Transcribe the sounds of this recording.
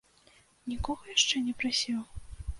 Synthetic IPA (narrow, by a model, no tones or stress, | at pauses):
nʲikɔɣɔjaʂt͡ʂɛnʲɛpɾasʲɛw